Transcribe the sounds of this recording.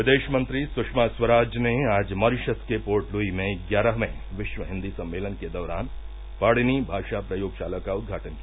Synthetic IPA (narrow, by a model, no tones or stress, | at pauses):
ʋɪd̪eːʃmə̃nt̪ɾisʊkʂmaːswɐɾaːd͡ʒneaːd͡ʒmɐɾɪʃəskepoːɾʈluimẽɡjaːɾəɦmẽ | ʋɪʃʋəɦɪ̃nd̪isɐ̃mːeːlənked̪ɐʋɾaːn | paːɽinibʱaːʃapɾɐjoːɡʃaːləkaʊd̪̚ɡʱaːʈənki